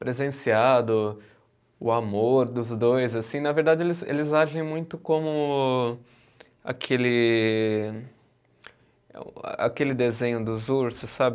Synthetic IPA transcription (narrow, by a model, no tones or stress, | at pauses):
pɾezẽsiad̪ʊ | ʊamoɾd̪ʊzd̪ojzasĩnɐveɾd̪ad͡ʒɪelɪzḛlɪzaʒẽj̃mũj̃t̪ʊkõmʊ | a̰kʰelɪ | a̰kelɪd̪ezẽɲʊd̪ʊzuɾsʊsːabɪ